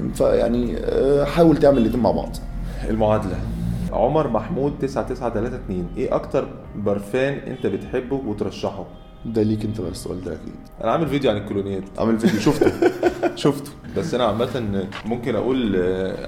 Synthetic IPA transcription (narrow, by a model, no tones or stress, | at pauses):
fæ̰ja̰ʕniħaːwelt̪eʕmelʔed̪iːma̰ʕbɑ̰ʕd̪ˤʔḛlmoʕaːd̪ælæʕomɑɾˤmaħmuːd̪̚t̪ːesʕat̪esʕat̪ælæːt̪æt̪niːnʔeːʔɑ̰kt̪ɑɾˤ | bɑɾˤfæːnʔḛnt̪æbet̪ħebːowet̪ɾˤɑʃːɑħo | d̪æliːkent̪æmænsːoʔæ̰ːld̪æ̰ʔækḭːd̪̥ʔæ̰næʕaːmelvid̪joʕanelkːolonejːæd̪i̥ʕa̰melviːd̪joʃoft̪oʃoft̪o̥bæsːʔænæʕamːælt̪ænmomkenʔæ̰ʔṵːl